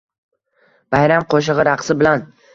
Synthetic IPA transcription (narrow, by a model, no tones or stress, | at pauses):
b̥ajɾamqʰoʃ̬ɪʁɨɾaqsɪbɪlan